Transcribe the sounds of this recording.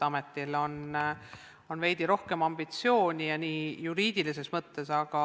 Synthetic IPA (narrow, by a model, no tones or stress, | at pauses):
ɑmet̪ːˑilo̞n | o̞nvejd̪̥iɾo̞hke̞mɑmbit̪sio̞ːnʲijɑniːjuɾiːd̪̥ilise̞smɤt̪ːe̞sɑɡ̥ɑ